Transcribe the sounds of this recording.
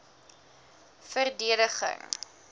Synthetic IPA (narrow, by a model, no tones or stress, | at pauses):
fərdiəɾəχə̰ŋ